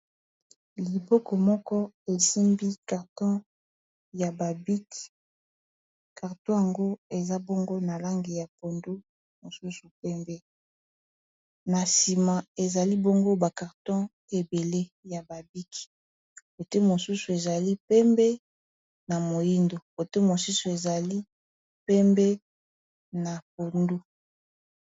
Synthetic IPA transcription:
li˨bɔ˦kɔ˨mɔ˦kɔ˦ | e˨si˦mbi˦ka˨ʁtɔ̃˦ | ja˨ba˨bi˦k | ka˨ʁtɔ̃˦ja˨ŋɡo˦e˨za˦bo˦ŋɡo˦na˨la˦ŋɡi˨ja˨po˨ndu˦ | mo˨su˦su˨pɛ˦mbɛ˦ | na˨si˨ma˨e˨za˨li˦bo˦ŋɡo˦ba˨ka˨ʁtɔ̃˦ | e˨be˨le˦ja˨ba˨bi˦kʰi̥˨ | ko˨te˦mo˨su˦su˨e˨za˨li˦pɛ˦mbɛ˦ | na˨mo˨ji˦ndo˨ko˨te˦mo˨su˦su˨e˨za˨li˦ | pɛ˦mbɛ˦ | na˨p̚o˨ndu˦

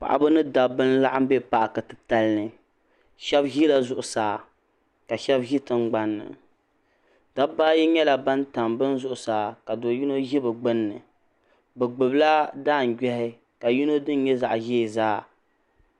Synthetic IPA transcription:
pa̰˨ʔa̰˨bɨ˦nɨ˦da˨bɨ˦n˦la˦ʔa˦m˦bɛ˦pa˦˨ʔa˨ka˨tɨ˨ta˨lnɨ˨ | ʃɛ˦bʒi˦la˨zʊ˨ʔʊ˨saː˨ | ka˨ʃɛ˦bʒi˦tɨ˦ŋɡ͡ba˦nːɨ̰˨ | da˦baː˦ji˦ɲɛ˦la˨ba˦nta˨mbɨ˦nzʊ˦ʔʊ˨saː˨ka˨do˨ji˦no˦ʒi˦bɨ˨ɡ͡bɨ˦nːɨ˨ | bɛ˨ɡ͡bɨ˨bla˦daː˦˨n̩˨ɡɛ˦hɪ˦ | ka˨ji˦no˦dɨ˦n˦ɲɛ˦za̰˨ʔʒeː˦˨zaː˦

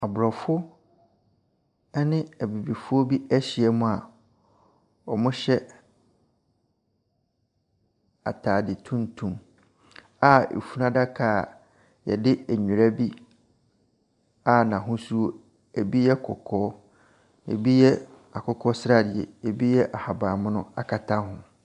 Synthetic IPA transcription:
a˨bʊ˨ɾɔ˨fʊ˦ | ɛ˦nɪ̃˦æ˨bi˨bi˨fʊ˦o˦bi˦æ˦ɕɪ˨ɛ˦mʊ̃˦a˨ | ɔ˨mʊ̃˦ɕɛ˦ | a̰˨tʰaː˨dɪ˨tʰũ˦n˦tʰũ˨m | a˦ḛ˨fu˦nã˦da˦kʰa˦˨ | jɛ̰˨dɪ˦æ˨ɲu˨ɾa˦bi˦ | a˨nã˨ɦʊ̃˦su˦o˦ | e˨bi˦jɛ˦kʰɔ̰˨kʰɔː˦ | ḛ˨bi˦jɛ˦ | a˨kʰɔ˦kʰɔ˦sɾa˦˨dɪ˨ɛ̰˨e˨bi˦jɛ˦ʔa˨ha˨baː˨mʊ̃˦nʊ̃˦a˨kʰa˨tʰã˦hʊ̃˨

